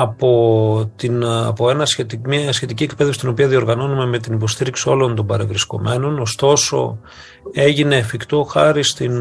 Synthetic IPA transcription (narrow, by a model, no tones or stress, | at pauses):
ɐpo̞t̪inɐ̰po̞e̞nɐset̪mɐsçe̞t̪iciekpe̞ðefsit̪ino̞piɐðio̞ɾɣɐno̞nume̞me̞t̪inipo̞st̪iɾiksio̞lo̞nt̪o̞mbɐɾe̞vɾisko̞̰me̞no̞no̞st̪o̞so̞̰ | e̞ʝine̞ːfikt̪o̞xɐɾist̪in